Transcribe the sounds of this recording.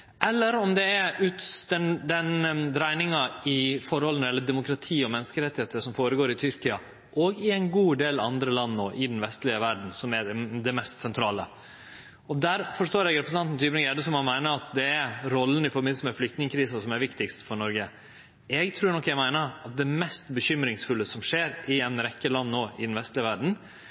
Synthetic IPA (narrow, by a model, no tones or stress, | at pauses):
ʔɛlːəɾɔmd̪ɛæʉːt̪d̪ɛnd̪ɛnd̪ɾæɪnɪŋɑɪfɔɾhɔlənəɛlːəd̪ɛmʊkɾɑt̪ʰiːɔmɛnːskəɾɛt̪ːɪheːt̪əʂɔmfoːɾəɡoːɾɪt̪ʰʏɾkɪɑ | ʔɔɡɪɛɪnɡuːd̪eːlɑ̰nd̪ɾəlɑnːo̰ːʔɪd̪ɛnʋɛst̪lɪəʋæɖɳ̩sɔmæd̪ɛmɛst̪sɛnt̪ʰɾɑːlə̰ | ɔd̪æɾfɔʂʈ̪oːɾɛɡɾɛpɾsnɑnt̪n̩t̪yːbɾɪŋɛd̪əsɔmhɑnmæɪnəɾɑt̪̚d̪ɛæɾɾɔlːən̩ɪfɔɾbmɪnəsməflʏkt̪nɪŋəkʰɾiːsɑsɔmæɾʋɪkt̪ɪkst̪fɔɳɔɾɡə | ɛɡt̪ʰɾʉːɾɳɔkːjæɡmæɪnəɾɑt̪̚d̪ɛmɛst̪bəçʏmɾɪŋsfʉlːəsɔmʂeːɾɪɛnɾɛkːəlɑnːoːɪd̪ɛnʋɛst̪lɪəʋæɖɳ̩